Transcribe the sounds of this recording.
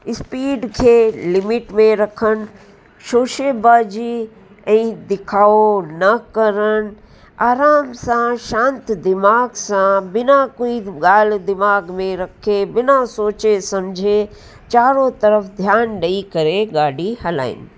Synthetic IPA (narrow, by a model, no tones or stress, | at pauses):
ɪspiːɖkʰelɪmɪʈmẽɾəkʰən | ʃoːʃebaːd͡ʒi | əĩd̪ɪkʰaːonɐkəɾən | aːɾaːmsãʃãːnt̪d̪ɪmaːɡsãbɪnakoiɡaːld̪ɪmaːɡmẽɾəkʰebɪnasoːt͡ʃesəmd͡ʒʱe | t͡ʃaːɾõt̪əɾəpʰd̪ʱjaːnɖəikəɾeɡaːɽihɐla̰ːɪ̰n